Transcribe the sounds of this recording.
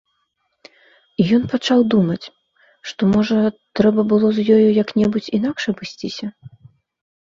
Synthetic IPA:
ijɔnpat͡ʂawd̪umɐt͡sʲ | ʂt̪ɔmɔʐɐt̪ɾɛbɐbɨlˠɔzjɔjujɐknʲɛbut͡sʲin̪akʂɐbɨsʲt͡sʲisʲɐ

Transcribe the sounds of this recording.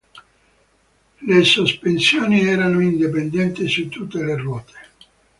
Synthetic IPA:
lesospensjoːniɛːɾanoind̪ipend̪ɛnt̪isut̪ːut̪ːelerwɔːt̪ʰe̥

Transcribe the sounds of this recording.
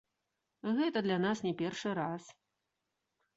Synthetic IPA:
ɣɛt̪ɐd̪lʲanasnʲɛpʲɛrʂɨɾas

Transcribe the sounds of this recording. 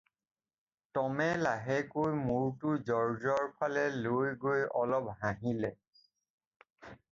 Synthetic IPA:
tɔmɛlaɦɛkojmuɹtʊzɔɹzɔɹpʰalɛlojɡojɔlɔpɦãɦilɛ

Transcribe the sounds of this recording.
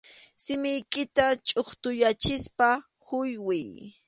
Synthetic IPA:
sɪmɪjkɪt̪at͡ʃʼoχt̪ʊjat͡ʃɪspa | hʊjwɪj

